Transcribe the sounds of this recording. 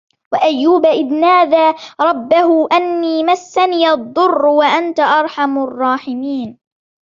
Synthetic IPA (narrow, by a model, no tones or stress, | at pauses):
waʔajːuːbaʔɪd̪naːðaːɾˤɑbːahʊʔanːiːmasːaniːʔɑd̪ˤːʊrˤːwaʔant̪aʔɑɾˤħamrˤːɑːħɪmiːn